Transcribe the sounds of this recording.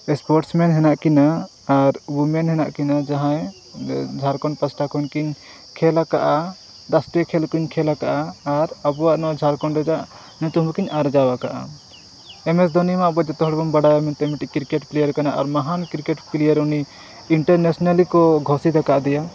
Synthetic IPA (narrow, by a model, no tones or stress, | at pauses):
ɛspɔɾʈsmɛnɦɛnaʔkinaː | ɾwumɛnɦɛna̰ʔkinad͡ʒaɦãj | d͡ʒʱaɾkɔnpasʈakɔnkiɲ | kʰɛlakaʔa | ɾasʈijkʰɛlkuɲkʰɛlakaʔaːɾabɔwaʔnɔd͡ʒʱaɾkɔnɾɛd͡ʒaʔ | nt̪ɔɦmkiɲaɾd͡ʒawakaʔa̰ | ɛmɛs̬d̪ɔnimaʔbɔd͡ʒɔt̪ɔɦɔɽbɔnbaɽajamɛnt̪ɛmiʈikiɾkɛʈplɛjaɾkanaʔa̰ɾmaɦankiɾkɛʈpilɛjaɾuni | iɳʈaɾnɛsnalikɔɡʱɔsid̪akaʔd̪ɛja